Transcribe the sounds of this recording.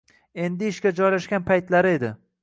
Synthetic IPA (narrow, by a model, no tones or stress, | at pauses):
e̞nd̪ɪɪʃkʲad͡ʒɒjlaʃɡʲanpʰajt̪laɾɪe̞d̪ɪ